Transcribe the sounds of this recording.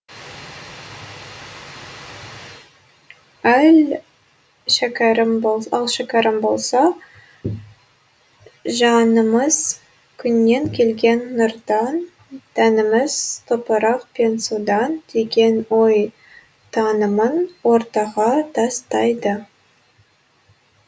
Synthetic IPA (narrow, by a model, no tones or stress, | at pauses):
æl | ʃækɑɾɪmbolˠɑlˠʃækʲɑɾəmbo̞lˠsɑ | ʒɑnəməz̥ | kʲʰʏnːe̞ŋkʲʰe̞lɡʲe̞nːʊɾd̪ɑn | t̪ʰænɪmɪz̥t̪ʰopəɾɑq̚pʰe̞nsud̪ɑnd̪̥e̞ɡʲe̞nwo̞j | t̪ʰɑnəmənwo̞ɾt̪ɑʁɑt̪ʰɑst̪ɑjd̪ə